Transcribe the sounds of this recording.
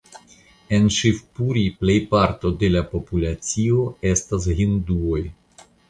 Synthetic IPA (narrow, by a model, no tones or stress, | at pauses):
e̞nʃifpuɾiple̞jpaɾto̞de̞lapo̞pulat͡sio̞e̞stas̬ɦinduo̞j